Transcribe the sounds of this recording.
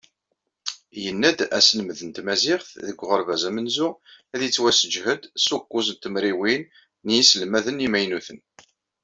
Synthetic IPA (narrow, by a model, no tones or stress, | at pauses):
jənːæd̪æ̰sələməðənt̪mæzɪχθðəɡʷːʁəɾvæzæmənzʊæðit͡sːwæsəd͡ʒhəd̪sukːus̬ənt̪əmɾiwin | njisəlmæðənimæjnuθən